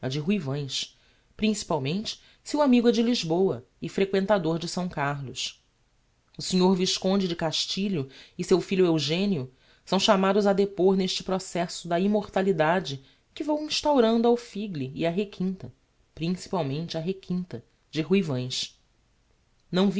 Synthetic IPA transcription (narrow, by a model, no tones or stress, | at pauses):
ɐd͡ʒɪɦuivɐ̃j̃ʃ | pɾĩsi̥pawmẽnt͡ʃɪ̥ | siwamiɡɐd͡ʒɪliʒbowɐ | ɪfɾekwẽnt̪ad̪oɾd͡ʒɪsɐ̃w̃kaɾlʊʃ | ʊsiɲoɾviʃkõnd͡ʒɪd͡ʒɪkaʃt͡ʃiʎʊɪsewfiʎʊewʒẽniʊ | sɐ̃w̃ʃamad̪ʊzɐd̪epoɾneʃt͡ʃɪ̥pɾosɛsʊd̪ɐimoɾt̪alid̪ad͡ʒɪ | kɪvɐ̃w̃ĩʃt̪awɾɐ̃nd̪ʊawfiɡliːɐɦekʰĩnt̪ɐ | pɾĩsi̥pawmẽnt͡ʃɪɐɦekʰĩnt̪ɐ | d͡ʒɪɦujvɐ̃j̃s | nɐ̃w̃v